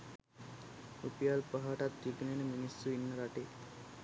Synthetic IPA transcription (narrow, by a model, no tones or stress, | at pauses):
upijalpəɦaʈat̪ːiɡneneminisːuinːəɾaʈe